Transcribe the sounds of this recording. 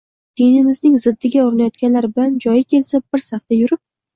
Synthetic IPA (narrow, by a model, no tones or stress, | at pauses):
d̪̥ʰenɪmɪznɪŋzɪd̪ːɪɡʲaoɾɪnajɒt̪̚kʲanlaɾbɪland͡ʒɒjɪkʲʰe̞lsabɪɾsaft̪ajʊɾɪp̚